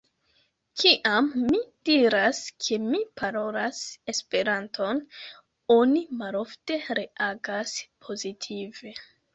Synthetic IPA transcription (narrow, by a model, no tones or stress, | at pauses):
kʰiʔamːid̥iɾaskʰe̞mipʰaɾo̞lase̞spe̞ɾantʰo̞n | o̞nimalo̞fte̞ɾe̞aɡaspʰo̞zitʰive̞